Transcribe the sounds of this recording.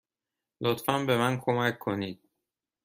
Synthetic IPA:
lot̪fænbe̞mænkʰomækʰːoniːd̪̥̚

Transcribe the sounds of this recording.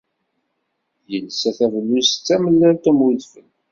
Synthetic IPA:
jəlsæθævənːust͡sːæməlːælt̪æmuðfən

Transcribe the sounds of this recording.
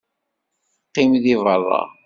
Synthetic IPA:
qːimðivərˤːɑ̰

